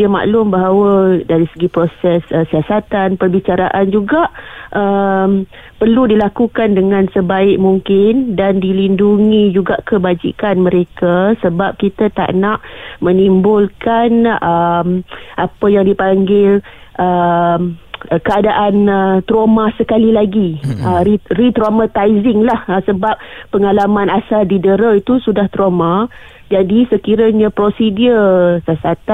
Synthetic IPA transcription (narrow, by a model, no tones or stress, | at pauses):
iəma̰ʔlʊmbaɦawədaɾisəɡipɾosɛsəsiasat̪anpərbit͡ʃaɾaʔand͡ʒuɡaʔəm | pərludilakukandəŋãnsəbaɪk̚muŋkɪndandilinduŋid͡ʒuɡaʔkəbad͡ʒḭkanmə̃ɾekasəbap̚kit̪at̪a̰ʔnaʔmənimbʊlkanəmʔapəjaŋdipaŋɡɪl | ʔəmkəadaʔanət̪ɾomãsəkalilaɡiəirit̪ɾomat̪ajzɪŋlahəsəbap̚ːəŋalamãnasaldidəɾəit̪usudaht̪ɾoma | d͡ʒadisəkiɾaɲãpɾosidiəsəsat̪a